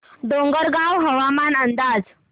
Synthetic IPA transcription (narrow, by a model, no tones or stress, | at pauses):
d̪oŋɡəɾɡawɦəʋamanənd̪ad͡z